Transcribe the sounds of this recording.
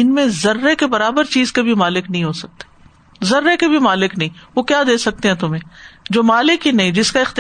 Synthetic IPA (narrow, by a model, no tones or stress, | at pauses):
ɪnmẽzɐɾːekebɐɾaːbəɾt͡ʃiːzkebʱimaːlɪknɐɦĩɦosɐk̚t̪e̥ | zɐɾːekebʱimaːlɪknɐɦĩʋokjaːd̪eːsɐk̚t̪ẽɦɛ̃t̪ʊm̤ẽːd͡ʒoːmaːlɪkɦinɐɦĩd͡ʒɪskaɪxt̪ɪ